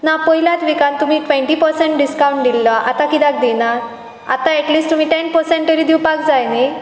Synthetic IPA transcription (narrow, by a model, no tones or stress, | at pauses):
napɔɦilat̪ʋikãnt̪um̤iːʈʋɛ̃ɳʈipəɾsẽɳʈ̚ɖiskawɳʈ̚d̪ilːaʔat̪ãkid̪ak̚d̪ena | a̰t̪ãɛʈliːsʈt̪um̤iːʈɛnpəɾsɛ̃ɳʈʈəɾid̪iwpakd͡zajne